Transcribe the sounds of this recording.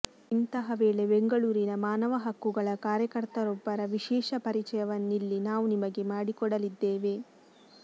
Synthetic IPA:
int̪ɐɦɐʋeːɭe̞beŋɡɐɭuːɾinɐmaːnɐʋɐɦɐkːuɡɐɭɐkaːɾjɐkɐɾt̪ɐɾɔbːɐɾɐʋiʃɛːʃɐpɐɾit͡ʃɐjɐʋɐnːilːinaːʋunimɐɡe̞maːɽikɔɽɐlid̪ːeːʋe̞

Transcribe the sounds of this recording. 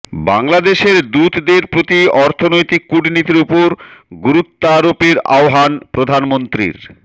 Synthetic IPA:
baŋlad̪eʃeɾd̪ut̪d̪eɾpɾot̪iɔɾt̪ʰonojt̪ikːuɖnit̪iɾupoɾɡuɾut̪ːaɾopiɾa̰oɦanpɾod̪ʱanmont̪ɾḭɾ

